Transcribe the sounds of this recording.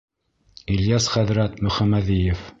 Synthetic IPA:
iljɑsχæðɾæt̪mɵ̆χæmæðijɘf

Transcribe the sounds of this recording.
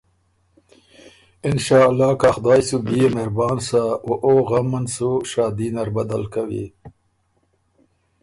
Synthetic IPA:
ɪnʃɑːlːɑːkaxd̪ɑːjsubijemeɾbɑːnsawoʔoɣamansuʃɑːd̪inaɾbad̪alkawḭ

